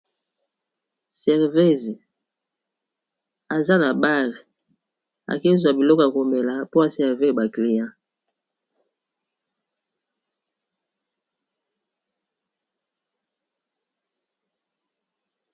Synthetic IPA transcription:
sɛ˨ʁve˦z | a˨za˦na˨ba˦ʁ | a̰˨ke˦zwa˨bi˨lɔ˦ka˨ko˨me˨la˨po˦a˨sɛ˨ʁve˦˨ba˨kli˨jã˦

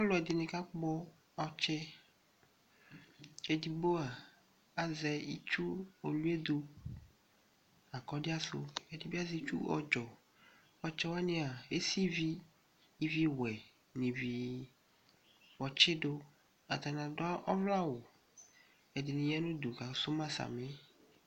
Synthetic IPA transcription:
ɔ˦lɔ˨ɛ˨d̪ɪ˨nẽ˨ka˦k͡pɔ˦ | ɔ˨t͡ʃe˦ | e˨di˨bo˦a˨ | a˨zɛ˨i˦t͡ʃu˦o˨lu˦e˦d̪u˦ | a˨kɔ˦di˦a˦so̰˦e˨di˦bi˦a˦zi˦t͡ʃṵ˦ɔ̰˨d͡ʒɔ˨ | ɔ˦t͡ʃɛ˦wa˦nĩ˦a˨e˦si˦viː˦ | vi˦wɛ˨ | nĩ˨vi˨ | wɔ˨t͡ʃe˦ɖo˦ | a˨t̪a˨nã˨dɔ˦a˦ʔɔ˦vla˦wo˨ | e˨dɪ˨nĩ˨ɲ˦ã˦nũ˦d̪u˨ka˨˦so˦mã˦sa̰˨me˦

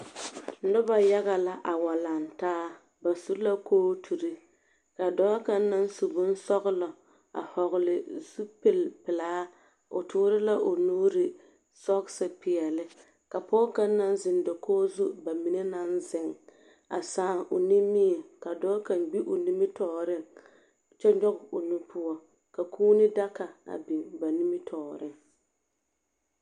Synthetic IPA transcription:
nʊ˦ba˨ja˦ɣa˨la˦ʔa˨wa˨la˨ntaː˦ | ba˨su˦la˦koː˦tʰu˨ɾi˦ | ka˨dɔː˦ka˦nː˦a˦n˦su˨bʊ˦n˦sɔ˦ɣlɔ˨ | a̰˨hɔ˨ɣʊ˨lɪ˨z̥u˦pɪ˦˨lpɪ˨laː˦ | o̰˨tʰʊː˦ɾɪ˦la˦ʔo˨nuː˦ɾɪ˨ | sɔ˦ɡsɨ˦pɪ˨ɛ˨lɪ˦ | ka˨pɔː˦ka˦nː˦a˦n˦zɪ˨ndɔ˨kʰɔː˦zu˦ba˨mi˨ne˦na˦nzɪ˨ŋ | a̰˨saː˦˨˦ʔo˨ni˦mi˦ɛ˨ka˨dɔː˦ka˨nɡ͡bi˦ʔo˨ni˦mɪ˦tɔː˦˨ɾɪ˦ŋ | t͡ʃɛ˦ɲ˦ɔ˦ɣɪ˨o˨nu˦pʰʊ˦ɔ˦ | ka˨kʰuː˦nɪ˦da˦ka˨a̰˨bi˨ŋba˨ni˦mɪ˦tʰɔː˨ɾɪ˦ŋ

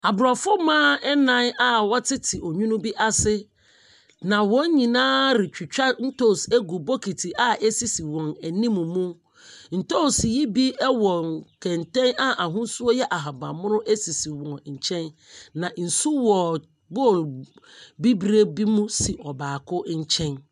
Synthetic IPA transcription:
a˨bɾa˨fʊ˦mãː˦ɛ˦nã˦na˦wɔ˦tʰɪ˦tʰɪ˨ʔɔ˨ɲũ˦nũ˦bi˦ʔa˦sɪ˦ | nã˨wɔ̃˦ɲĩ˨nãː˦ɾɪ˨t͡ɕᶣi˨t͡ɕᶣa˦n̩˦to˦˨se˦ɡu˨bo˦kʰi˨tʰi˨ʔa˦ʔe˦si˨si˨wɔ̃˨næ˨nĩ˦mũ˨mũ˦ | n̩˨to˦˨sji˦bi˦ɛ˦wɔ̃˨nkʰɛ̃˨n˨tɛ̃˦na˦ʔa˨ɦũ˦su˦o˦jɛ˦ʔa˨ɦa˨bã˨mʊ̃˦nʊ̃˦ʔe˦si˨si˨wɔ̃˨nɲ̩˨t͡ɕʰɛ̃˦nnã˨n̩˨su˦wɔ˨ | bo˦˨l | bi˦bɾe˦bi˦mũ˦si˨ʔɔ˨baː˨kʰʊ˦ɲ̩˦t͡ɕʰɛ̃˦n

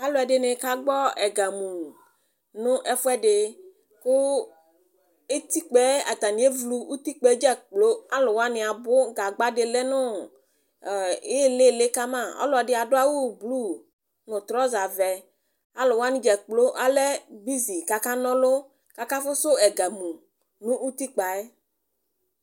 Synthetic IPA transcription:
a˦lʊ˨˦ɛ˨dɪ˨nɪ˨ka˦ɡ͡bɔ˦ɛ˨ɡa˨mu˨ | nʊ̃˦ʔɛ˦fʊ˦ɛ˦ɖɪ˨ | kʊ˦ | e˦t̪i˦k͡pɛ˦a̰˨t̪a˨nĩ˨˦e˦vlu˦u˦t̪i˦k͡pɛ˦d͡ʒɛ˦k͡plo˦a˦lʊ˨wa˦nɪ̃˨a˨bʊ˦ɡa˨ɡ͡ba˦dɪ˨le˦nʊ̃˦˨ | e˦le˦˨le˦ka˦mã˦˨ɔ̰˦lɔ˨dɪ˨˦a˨dʊ˦a˦wu˦blu˦ | nʊ̃˨t̪ɾɔ˦za˨vɛ˨ | a˦lʊ˨wa˦nɪ̃˦d͡ʒɛ˨k͡plo˦ʔa˦lɛ˦bi˦zi˨ka˨ka˦nɔ̃˦lʊ˦ | ka˨ka˦fʊ˦sʊ˦ɛ˨ɡa˨mu˨ | nʊ̃˦ʔu˦t̪i˦k͡pa˨e˦

